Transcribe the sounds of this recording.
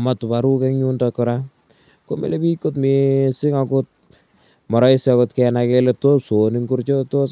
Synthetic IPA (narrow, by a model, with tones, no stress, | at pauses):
ma˨tu˨ba˨ɾu˦kɛ˦kɲu˦ndɔkɔɾa˦ | ko˦mḛ˦le˦bi˦ko˦tmisɪ˦ŋa˦ko˦t̚ | mɔ˨ɾɔ˦i˦sjɔ˧kɔ˦tkɛna˧kɛle˦to˦pso˨ni˦ŋku˦ɾt͡ʃo˦to˦